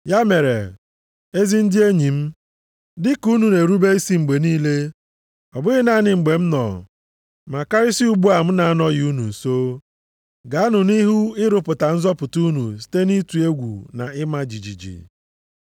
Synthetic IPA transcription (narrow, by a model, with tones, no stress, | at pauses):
ja˦me˨ɾḛ˨ | e˦zi˦n̩˦dɪ˦e˦ɲi˨m̩˦ | dɪ˦ku˦nu˨ne˨ɾu˦be˦i˦si˦ŋ͡m̩˨ɡ͡be˨niː˦le˦ | ɔ˨bʊ˦ɣɪ˦na˦nɪ˨ŋ͡m̩˨ɡ͡be˨m̩˦nɔ̰˨ | ma˨ka˦ɾɪ˦si˦u˦ɡ͡bu˦a˨m̩˦na˨a˦nɔ˦ɣɪ˨u˦nṵ˨n̩˨so˦ | ɡa˨˦a˦nʊ˨ni˦ɦu˦ɪ˦ɾʊ˨pʊ˨ta˨n̩˦zɔ˦pʊ˨tu˦nṵ˨s̬i̥˦te˦ni˦tu˨e˦ɡʷṵ˨na̰˨ɪ˦ma˦d͡ʒi˨d͡ʒḭ˨d͡ʒḭ˨